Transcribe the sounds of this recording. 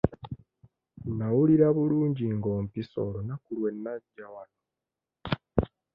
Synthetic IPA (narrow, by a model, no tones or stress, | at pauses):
nawuliɾaβuluːɲɟiŋɡo̞ːmpiso̞̰lonakulwe̞nːaɟːawano